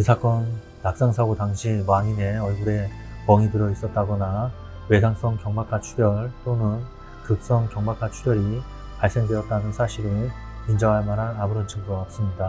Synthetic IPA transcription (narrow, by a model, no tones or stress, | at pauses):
kɯsʰak͈ʌnː | ak̚s͈aŋsʰaɡotaŋɕʰimaɲine̞ʌɭɡuɾe̞ | mʌŋitɯɾʌis͈ʌt̚t͈aɡʌna | we̞sʰaŋs͈ʌŋkjʌŋmak͈ʰat͡ɕʰuɾjʌɭt͈onɯn | kɯk̚s͈ʌŋkjʌŋmak͈ʰat͡ɕʰuɡjʌɾi | paɭs͈e̞ŋdwe̞ʌt̚t͈anɯnsʰaɕʰiɾɯ | ind͡ʑʌŋɦaɭmaɾɦanabɯɾʌnt͡ɕʰɯŋdoap̚s͈ɯmɲida